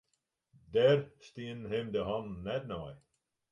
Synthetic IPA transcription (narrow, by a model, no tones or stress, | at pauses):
dɛrst̪iənɦemd̪əɦɔnːɛd̚nɔj